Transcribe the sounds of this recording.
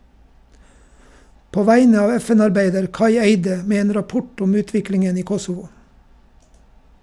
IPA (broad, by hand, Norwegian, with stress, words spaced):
ˈpoː ˈʋæɪnə ˈɑːʋ ˈɛˌfɛn ɑɾˈbæɪdəɾ ˈkɑɪ ˈeɪdə ˈmeː ˈeːn ɾɑˈpʊʈ ˈʊm ˈʉːˌtʋɪklɪŋən ˈiː ˈkɔsʊʋʊ